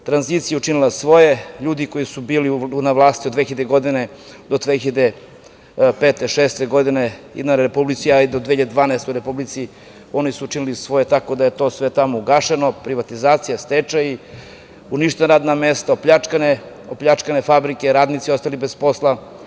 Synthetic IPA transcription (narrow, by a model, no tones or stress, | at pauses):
t̪ɾanzit̪sijeut͡ʃinilasʋo̞jeʎuːd̪iko̞jisubiːliunaʋlˠaːst̪iod̪ʋexiʎed̪eɡo̞d̪ine̞ | d̪od̪ʋexiʎad̪e | pet̪eʃeːst̪eɡo̞d̪ineḭd̪naɾɾepublit̪siaid̪od̪eçiʎad̪ed̪ʋaːnaest̪ojuɾe̞publit̪si | o̞nisuut͡ʃinilisʋo̞jet̪ako̞d̪ajet̪o̞ːsʋe̞t̪amouɡaʃeno̞pɾiʋat̪izaːt̪sijast̪et͡ʃai | uniʃt̪enaɾaːd̪namest̪aopʎat͡ʃkane | opʎʲat͡ʃkanefabɾike̞ɾaːd̪nit̪sio̞st̪alibespo̞slˠa